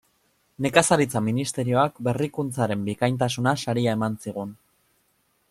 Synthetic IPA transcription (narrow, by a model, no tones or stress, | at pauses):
ne̞kasaɾit͡saminist̪e̞ɾio̞ak̚be̞rikunt͡saɾe̞mbikajnt̪asunasaɾiae̞mansiɣ̞un